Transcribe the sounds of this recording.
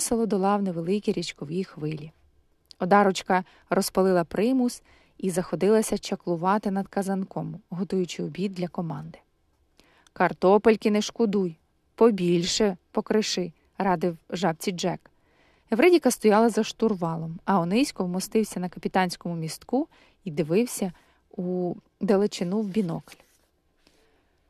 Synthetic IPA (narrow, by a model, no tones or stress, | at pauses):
selˠɔd̪ɔlˠɑwneʋelˠɪkʲiɾʲit͡ʃkɔʋʲixʋɪlʲi | ɔd̪ɑɾɔt͡ʃkɐ | ɾɔspɐlˠɪlˠɐpɾɪmus | izɐxɔd̪ɪlˠɐsʲɐt͡ʃɐklˠʊʋɑt̪ɪnɐd̪kɐzɐnkɔmɦɔt̪ujʊt͡ʃɪɔbʲid̪̚d̪ʲlʲɐkɔmɑnd̪ɪ̥ | kɐrt̪ɔpelʲkɪnɛʃkʊd̪uj | pɔbʲilʲʃɛpɔkɾɪʃɪ | ɾɑd̪ɪwʒɑbt͡sʲid͡ʒɛk | eʋɾɛdʲikɐst̪ɔjɑlˠɐzɐʃt̪ʊrʋɑlˠɔmɐɔnɪsʲkɔwmɔst̪ɪwsʲɐnɐkɐpʲit̪ɑnʲsʲkɔmʊmʲist̪ku | id̪ɪʋɪwsʲɐ | u | d̪elˠɪt͡ʃɪnuwbʲinɔkɐ̥lʲ